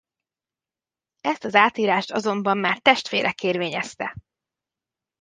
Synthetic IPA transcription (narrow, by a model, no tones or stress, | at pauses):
ɛst̪ɒzaːt̪iːɾaːʃt̪ɒzo̞mbɒmːaːrt̪ɛʃt̪ʋeːɾʔɛkeːrveːɲɛst̪ɛ